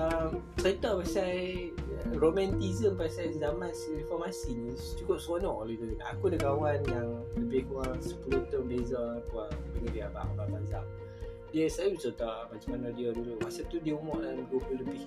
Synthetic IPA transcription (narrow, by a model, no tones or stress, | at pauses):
əmsajt̪ɔpasaj | romɛ̃nt̪izəmpasajzamansinfɔrmasiɲĩ | t͡ʃukʊp̚sonɔʔɔ̰livəlʔa̰kudaɡawanjaŋləbɪhkuɣaŋsə̥pulut̪ɔnbezapuabəŋədiaba̰ʔbaʔbanza | diəsajbisɔt̪aʔmat͡ʃamanadiaduluʔpasat̪udiəumɔʔlandubuləbɪh